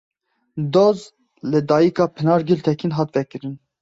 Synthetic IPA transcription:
d̪oz | lɨd̪ɑːjikɑːpʰɨnɑːɾɡilt̪ʰɛkʰinɦɑːt̪vɛkɨɾɨn

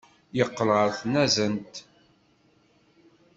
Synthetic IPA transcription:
jəqːəlʁəɾθənæzənt̪

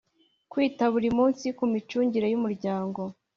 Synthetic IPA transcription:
kwiːtaβuɾimuːnsikumit͡ʃuːɲɟiɾejumuɾɟaːŋɡo̞

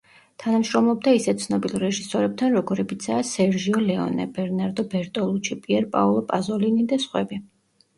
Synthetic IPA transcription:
t̪ʰanamʃɾɔmlˠɔbd̪aisɛt̪t̪sʰnɔbilˠɾɛʒisɔɾɛb̚t̪ʰanɾɔɡɔɾɛbit̪sʰaːsɛɾʒiɔlɛɔ̰nɛ̰bɛɾnaɾd̪ɔbɛɾt̪ʼɔlˠut͡ʃʰipʼiɛɾpʼa̰ɔlˠɔpʼazɔlinid̪asχwɛbi

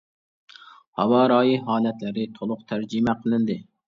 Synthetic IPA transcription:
hɑ̰wɑːɾɑːjiɦɑːlɛt̪lɪɾɪt̪ʰolˠʊqt̪ʰæɾd͡ʒimɛqʰəlˠɨnd̪ɪ

